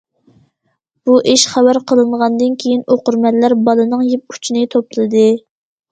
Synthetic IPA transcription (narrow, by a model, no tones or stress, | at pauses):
b̥uʔiʃχæwæɾqʰəlˠɨɴʁɑnd̪ɨnkʲʰejinoqʊɾmɛllæɾbɑlˠɨnɨŋjip̚u̥t͡ʃʰinɨt̪ʰopɨlˠɨd̪ɨ